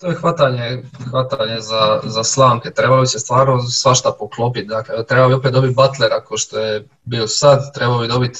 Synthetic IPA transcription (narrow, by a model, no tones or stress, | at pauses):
t̪ojexʋat̪aɲexʋat̪aɲe̞zazaslˠaːmket̪ɾe̞balobise̞st̪ʋaːɾnosʋaʃt̪apoklˠopit̪̚d̪aklet̪ɾebabio̞p̬et̪d̪o̞bit̪̚bat̪leɾakoʃt̪oje | biːlosad̪t̪ɾe̞balobid̪o̞bit̪